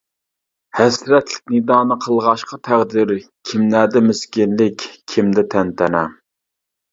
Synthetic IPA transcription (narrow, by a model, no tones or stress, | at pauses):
hæsɾɛt̪lɪ̥k̚ʲnɨd̪ɑːnɨqʰəlˠʁɑʃqɑt̪ʰæʁd̪ɪɾkʲʰimlæd̪ɛmyskʲɪnlɪkʲʰimd̪ɛt̪ʰɛnt̪ʰɛnɛ